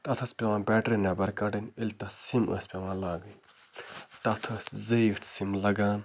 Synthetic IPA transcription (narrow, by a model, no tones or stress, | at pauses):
t̪ɐt̪ʰɐspʲeʋãːbɛːʈɾinabɐɾkɐɖɐnelʲt̪ɐsimə̰ːsʲpʲeʋãːlaːɡɨj | t̪ɐt̪ʰɐszəiʈʰsimlɐɡaːn